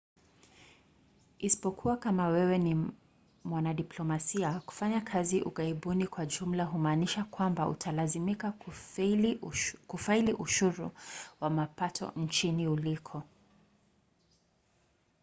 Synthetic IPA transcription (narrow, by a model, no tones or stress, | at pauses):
isi̥pɔkʰuwakamawɛwɛni | mwanaɗiplɔmasiaku̥faɲakʰaziʔṵɡaiɓunikwaʄum̩laɦumaːniʃakwambaṵtʰalazimika | kufailiʔuʃuɾuwamapatʰɔ̰n̩t͡ʃiniulikʰɔ